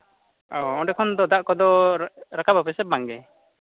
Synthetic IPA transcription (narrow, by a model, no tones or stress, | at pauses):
ɔɔ̃ɖɛkʰɔnd̪ɔd̪aʔkɔd̪ɔɾakʰabapɛsɛp̚ːaŋɡɛ